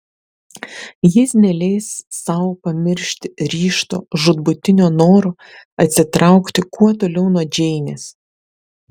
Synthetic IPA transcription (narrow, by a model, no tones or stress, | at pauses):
jɪsnʲɛlʲɛɪsːɐʊpɐmʲɪɾʲʃʲt̪ʲɪɾʲiːʃt̪o̰ːʒʊd̪bʊt̪ʲɪnʲonoːɾoː | ɐt̪ʲsʲɪt̪ɾɑˑʊkt̪ʲɪkuɔt̪oːlʲɛʊnuɔd͡ʒʲɛɪnʲeːs